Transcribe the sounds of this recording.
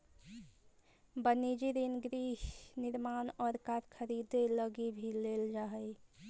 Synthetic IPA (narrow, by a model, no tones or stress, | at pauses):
bənid͡ʒiɾinɡɾiɦniɾmanɔːɾkaɾkʰəɾid̪eləɡibʱileld͡ʒaɦəj